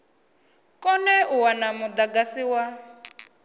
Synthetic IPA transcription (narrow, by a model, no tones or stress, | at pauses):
kɔnɛʔuwanamʊd̪aɡasiwa